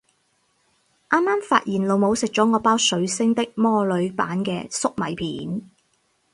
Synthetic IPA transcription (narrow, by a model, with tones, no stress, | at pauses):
ʔaː˥mːaː˥mfa̰ː˧t̚jiː˨˩nlo˨˧wmo˨˧wsɪ˨k̚t͡ʃɔː˨˥ŋɔː˨˧paː˥wsɵ˨˥ɥsɪ˥ŋt̪ɪ˥k̚mɔː˥lɵ˨˧˥ɥpa̰ː˨˥nkɛ̰ː˧sʊ˥k̚mɐ˨˩jpʰiː˨˥n